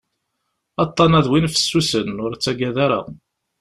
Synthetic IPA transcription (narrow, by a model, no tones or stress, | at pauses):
ɑt̪ˤːɑnæðwinfə̥sːusənʊɾt͡sːæɡæðaɾæ̰